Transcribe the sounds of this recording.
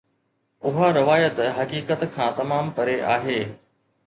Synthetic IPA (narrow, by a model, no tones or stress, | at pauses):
ʊɦaɾɪʋaːjət̪ɦɐkiːkət̪kʰãːt̪ɐmaːmpɐɾeʔaːɦeː